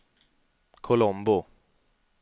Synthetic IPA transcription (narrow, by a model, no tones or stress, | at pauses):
kʰʊlɔmbʊ